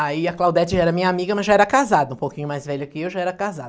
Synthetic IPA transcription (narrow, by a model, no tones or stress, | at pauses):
aiɐklawd̪ɛt͡ʃɪʒaɛɾɐmĩɲɐamiɡɐmɐzʒaɛɾɐkazad̪ɐũpokĩɲʊmajzvɛʎɐkɪewʒaɛɾɐkazad̪ɐ